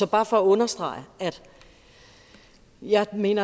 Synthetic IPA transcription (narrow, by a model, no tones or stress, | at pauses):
sɒ̽b̥ɑ̈ːfɒ̽æɔ̽nɐsd̥ʁɑ̰̈ɪəæd̥ | jɑ̈ɪme̝̰ːnɐ